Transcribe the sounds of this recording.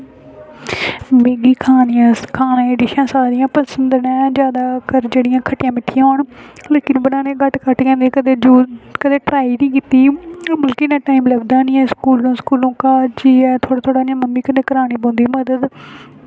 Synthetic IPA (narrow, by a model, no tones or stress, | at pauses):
beːɡiːkʰaːnijãːkʰaːnãːeːɖɪʃãːsaːɾɪjãːpəsənd̪nɛ̃ːd͡ʒjaːd̪aːkəɾd͡ʒeːɽɪjãːkʰəʈɪjãːmɪʈʰːɪjãːɦoːɳleːkɪnbənãːnẽːɡəʈkəʈkɛ̃ːnd̪ekəd̪ed͡ʒoːkəd̪eːʈɾaːiːnĩːkiːt̪iːmʊlkiːnãːʈaːiːmlɛːbd̪aːnĩːɛːskuːlnõːskuːlõːkaːd͡ʒiːɛːt̪ʰoːɽaːt̪ʰoːɽaːnãːmənmiːkəneːkəɾaːñiːbõːnd̪iːməd̪əd̪